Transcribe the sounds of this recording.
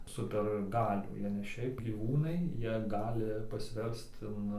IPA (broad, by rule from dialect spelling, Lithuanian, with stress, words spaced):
ˈsʊpʲɛr ˈɡɑːlʲuː ˈjiɛ nʲɛ ˈʃʲɛɪp ɡʲiːˈʋuːnɐɪ ˈjiɛ ˈɡɑːlʲɪ pɐsʲˈʋʲɛrst ɪn